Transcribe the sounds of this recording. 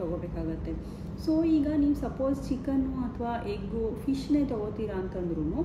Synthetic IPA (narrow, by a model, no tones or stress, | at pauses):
ɔɡobeːkaːɡut̪ːe̞ | soːiːɡɐniːʋusɐpoːzt͡ʃikːɐnːuɐt̪ʰɐʋaːʔeːɡufʰiʃne̞ːt̪ɔɡoɾt̪iːɾaːnt̪ɐnd̪ɾunu